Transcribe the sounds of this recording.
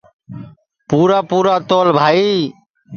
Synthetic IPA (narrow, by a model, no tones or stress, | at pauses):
puːɾaːpuːɾaːt̪oːlbʱaːiː